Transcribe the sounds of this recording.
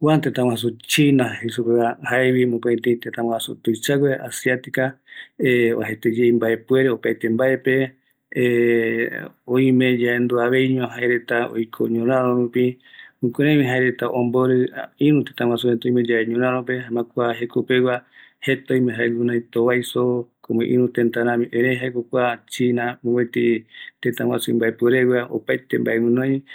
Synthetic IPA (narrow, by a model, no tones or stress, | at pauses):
want̪et̪ãwãas̬ut͡ʃinahesukeahaeβimũkeẽt̪ẽt̪et̪ãwãasṵt̪ojt͡ʃaɡʷweasiat̪ikaeo̰ɦet̪ed͡ʒeimbae̞pwe̞ɾeopajt̪embae̞pe̞ | õĩmẽd͡ʒaend̪uaβe̞jɲõɦaeɾe̞t̪ao̰jkʰo̰ɲõɾãɾõɾupiũkʷeɾãjmĩɦaeɾet̪aʔõmboɾɨĩɾũt̪e̥t̪ãw̃ãsuet̪ojmed͡ʒaeɲõɾãɾ̃õp̬e̞ɦãmãkʷaɦe̞kopewa | he̞t̪õjmẽɦaeɡunãjt̪oβajsokomẽʔḭ̃ɾũt̪ent̪aɾãmĩʔẽɾeɦaekokʷat͡ʃinamõot̪it̪ẽt̪ãwasumbaepweɾewjao̰pajt̪embaemɨ̃nõj̃